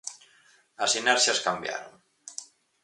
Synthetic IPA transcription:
əsinɛɾʃiaskambja̰ɾo̰n

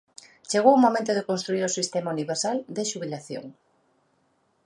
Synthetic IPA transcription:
t͡ʃeɣ̞owumomẽnt̪̬oð̞ekonst̪ɾuiɾosist̪emauniβeɾsald̪eʃuβilaθjo̰ŋ

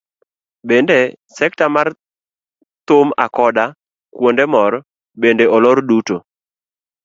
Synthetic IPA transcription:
bendesɛk̚tamar | t̪ʊmakɔda | kwondemɔɾ | bendeɔlɔɾduto

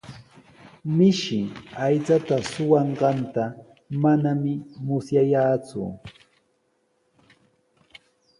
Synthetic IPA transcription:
mɪʃɪajt͡sat̪asʊwɑɴɢɑnt̪a | manamɪmʊsjajaːt͡sʊ̰

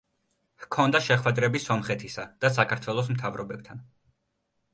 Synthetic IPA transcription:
hkʰɔnd̪aʃɛχwɛd̪ɾɛbisɔmχɛt̪ʰisad̪̥as̬akʰaɾt̪ʰwɛlˠɔs̬mt̪ʰavɾɔbɛb̚t̪ʰan

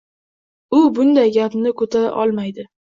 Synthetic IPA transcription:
ʊbʊnd̪ajɡʲapnɪkʰɵt̪ʰaɾa̰ʔɒlˠmajd̪ɪ

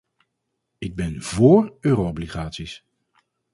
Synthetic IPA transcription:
ɪɡ̚bɛnvoːrøːroɔbliχaːtsis

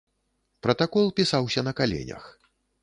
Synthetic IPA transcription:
pɾɐt̪akɔlˠpʲisawsʲɐnɐkalʲḛnʲɐ̰x

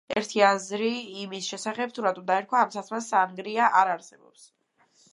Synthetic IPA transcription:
ɛɾt̪ʰiazɾiːmisʃɛsaχɛp̚t̪ʰuɾat̪ʼud̪aɛɾkʰwaːmsat̪ʰmasaŋɡɾiaʔaɾaɾsɛbɔ̰ps

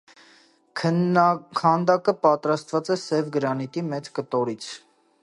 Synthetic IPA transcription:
kʰɑnd̪ɑkəpɑt̪ɾɑst̪vɑt͡sɛsɛvɡəɾɑnit̪imɛt͡skət̪ɔɾit͡sʰ

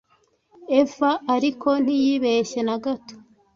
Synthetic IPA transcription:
efaːɾikʰo̞n̥ijiβeʃe̞naɡato̥

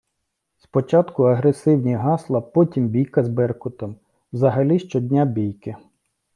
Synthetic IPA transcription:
spɔt͡ʃɑt̪kʊɐɦɾesɪwnʲiɦɑslˠɐpɔtʲimbʲijkɐzbɛrkʊt̪ɔm | wzɐɦɐlʲiʃt͡ʃɔd̪ʲnʲabʲijkɪ

